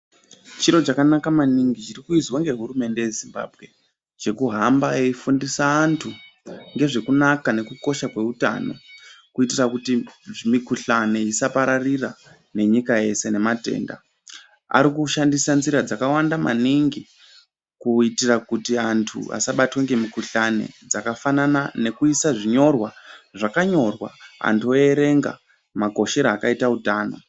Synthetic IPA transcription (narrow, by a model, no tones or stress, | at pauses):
t͡ʃiɾo̞t͡ʃakanakamaniŋɡit͡ʃirikuizwaŋɡe̞ɦurume̞nde̞je̞zimba̰ːbʱɣe̞ | t͡ʃe̞kuɦambaeifundisaːntʰu | ŋɡe̞ʐe̞kunakane̞kuko̞ʃakwe̞uta̰no̞̰kuitirakutiʐimikuɬane̞isapaɾarira | ne̞ɲikaje̞se̞ne̞mate̞̰ːnda̰ | a̰ɾikuʃandisanziɾad͡zakawandama̰niŋɡi | kuitirakutiantʰṵa̰saɓatweŋɡe̞mikuɬane̞̰d͡zakafananane̞kuisaʐiɲo̞rwaʐakaɲo̞rwa̰a̰ntʰueeɾe̞ŋɡa̰ | maɡʱo̞ʃe̞ɾaːkaitautaːno̞̰